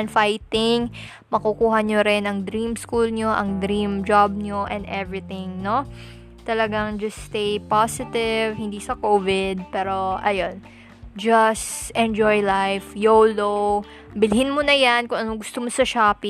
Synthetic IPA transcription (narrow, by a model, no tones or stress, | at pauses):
nfajt̪ɪŋ | mɐkukuːɦɐɲoɾɪnɐŋd̪ɾimskulɲoʔɐ̰ŋd̪ɾimd͡ʒab̚ɲoʔɛ̃nd̪ʔɛvɹɪt̪ɪ̃ŋno̞ | t̪ɐlɐɡaŋd͡ʒɐstːt̪ejpasɪt̪ɪvhɪnd̪iːsɐkoːvɪd̪̚pɛːɾo̞ʔɐjon | d͡ʒɐsʔɛ̃nd͡ʒojlajfjowlo | bɪlɦɪnmonɐjankʊŋʔɐnoɡʊst̪omosɐʃaːpi